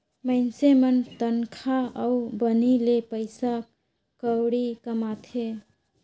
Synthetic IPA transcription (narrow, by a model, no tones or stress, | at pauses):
məɪnsemənt̪ənkʰaəubənilepəɪsa | kəwɽikəmat̪ʰe